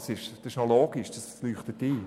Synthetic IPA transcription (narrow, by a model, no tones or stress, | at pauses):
sɪʃsɪʃnoloːɡ̥ɪʃdɑslyːχt̪ətiː